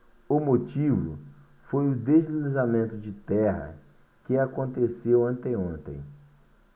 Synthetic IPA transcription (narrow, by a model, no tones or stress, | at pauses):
ʊmot͡ʃivʊ̰ | fojʊd̪ezlinizamẽnt̪ʊd͡ʒɪt̪ɛɦɐ̰ | kɪakõnt̪esewɐ̃nt̪ẽõnt̪ḛ̃j̃